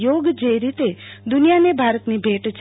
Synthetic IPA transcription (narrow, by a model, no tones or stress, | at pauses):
oɡd͡ʒeɾit̪ed̪unijanebʱaɾət̪nibʱeʈt͡ʃʰ